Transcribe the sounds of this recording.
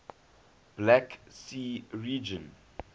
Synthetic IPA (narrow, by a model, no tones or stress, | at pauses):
b̥laksiɹid͡ʒə̃n